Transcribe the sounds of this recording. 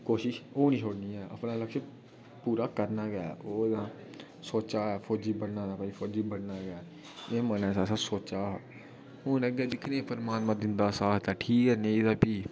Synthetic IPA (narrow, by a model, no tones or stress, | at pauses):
koːʃɪʃoːnĩːʃʰoːɽniːɛːʔə̰pnãːləkʃə | puːɾaːkəɾnaːɡəa̰ːʔoːd̪ãː | soːt͡ʃaːɛːpʰoːd͡ʒiːbəɽnaːaːpãipʰoːd͡ʒiːbəɽnaːɡɪaː | eːmənɛ̃ːsaːsãːsoːt͡ʃaː | ʊnəɡeːd̪ɪkʰnẽːpəɾmaːnmãːd̪ɪnd̪aːsaːt̪aːʈʰiːkɛːnẽːd̪aːpiː